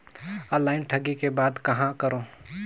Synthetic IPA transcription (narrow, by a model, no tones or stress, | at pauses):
əlaːɪnʈʰɐɡikebaːd̪kɐɦãkɐɾoː